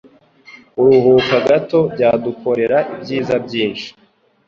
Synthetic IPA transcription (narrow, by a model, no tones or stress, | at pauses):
uɾuhuːkaɡato̞bɟaːduko̞ɾe̞ɾaʔibɟiːzabɟiːnʃi̥